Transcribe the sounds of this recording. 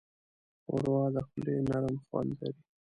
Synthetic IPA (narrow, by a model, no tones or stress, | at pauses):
ʊ̰ɾwɑːd̪axlenaɾmxwa̰nd̪la̰ɾi